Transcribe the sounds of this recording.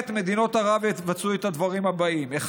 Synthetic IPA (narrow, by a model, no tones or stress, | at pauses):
t̪me̞d̪ino̞t̪aʁavevat͡suet̪ad̪vaʁimhabaʔimeχ